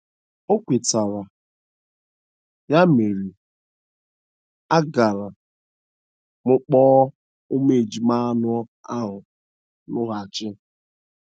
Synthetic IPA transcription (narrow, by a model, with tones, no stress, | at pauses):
o˦kʷe˨ta˨ɾa˨ | ja˦me˨ɾi˨ | a˦ɡa˨ɾa˨ | mʊ˦k͡pɔː˦ | ʊ˦me˨e˨d͡ʒi˨ma˦nʊ˦ | a˦ɦʊ˨ | nʊ˦ɦa˨a˨t͡ʃɪ˦